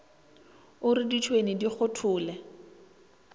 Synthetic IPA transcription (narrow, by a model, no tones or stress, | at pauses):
ʊrɪdit͡ʃʰwenidik͡xʰʊtʰʊːlɛ